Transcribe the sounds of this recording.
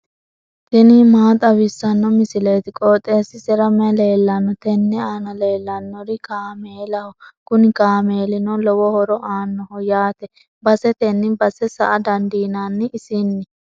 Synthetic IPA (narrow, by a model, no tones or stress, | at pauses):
t̪ɛnɪmaːt̪ʼɐwɪsːɐnːɔmɪsɪlejt̪ɪkʼoːt̪ʼːe̞ːsɪsɛɾɐmɛle̞ːlːɐnːɔt̪ɛnːɛaːnɐle̞ːlːɐnːɔɾɪkaːmeːlɐhɔkʊnɪkaːme̞ːlɪnɔlɔwɔhɔɾɔʔaːnːɔhɔjaːt̪ɛ | bɐsɛt̪ɛnːɪbɐsɛsɐ̰ʔɐd̪ɐnd̪iːnaːnːɪɪsinːɪ